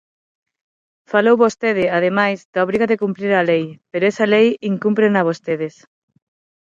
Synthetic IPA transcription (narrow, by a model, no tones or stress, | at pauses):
falowβost̪eðɪaðemajzd̪̥aoβ̞ɾiɣɐðekumpɾiɾalejpeɾoɛsɐlejiŋkumpɾenɐβost̪eðɪs